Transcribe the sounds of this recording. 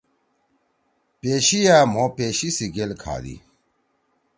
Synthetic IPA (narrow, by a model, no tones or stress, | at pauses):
peːɕijaːm̤opeːɕisiɡelkʰa̰ːd̪ḭ